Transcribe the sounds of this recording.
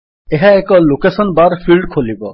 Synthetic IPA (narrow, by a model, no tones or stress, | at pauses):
eɦaekɔlokesɔnbaɾpʰilɖkʰolibɔ